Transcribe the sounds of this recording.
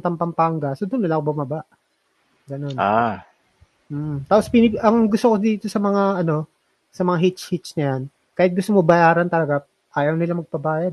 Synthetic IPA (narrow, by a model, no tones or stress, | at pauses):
t̪ɐmpɐmpaŋɡɐsod̪onːɐlakobʊmɐbaʔ | ɡɐno̞na | m̩ːt̪aːpospɪnɪʔɐŋɡʊst̪okod̪iːt̪o̞sɐmɐŋaʔɐno̞ | sɐmɐŋaɦɪt͡ʃhɪt͡ʃnɐjan | kaːhɪt̪̚ɡʊst̪omobɐjaːɾɐnt̪ɐlɐɡa | ʔaːjɐwnɪlamɐɡ̚pɐbaːjɐd̪̚